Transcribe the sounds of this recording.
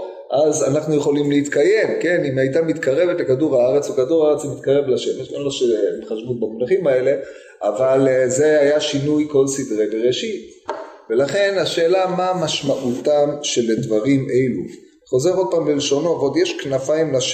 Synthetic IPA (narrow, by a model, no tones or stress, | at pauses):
ʔazanaχnuje̞χo̞limleit̪kaje̞mke̞nimajt̪amit̪kaʁe̞vetakaduʁaaʁet͡sukaduʁaaʁet͡smit̪kaʁe̞vlaʃe̞meʃenloʃemeχaʃvut̚bamonaχimaele̞ | ʔavalze̞ajaʃinujko̞lsidʁebeʁeʃit | ve̞laχe̞naʃe̞ːlamamaʃmaʔutamʃeledvaʁimʔejlu | χo̞ze̞ʁo̞d̪̚paːmbeleʃo̞no̞vod̪jeʃknafaimlaʃ